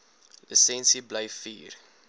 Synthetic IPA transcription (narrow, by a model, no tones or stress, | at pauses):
ləsɛ̃nsibleɪfḭːr